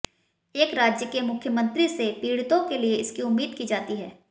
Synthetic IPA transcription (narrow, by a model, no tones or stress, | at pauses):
eːkɾaːd͡ʒjəkemʊkʰːjəmə̃nt̪ɾisepiːɽɪt̪õkelieɪskiʊmːiːd̪̚kid͡ʒaːt̪iɦɛː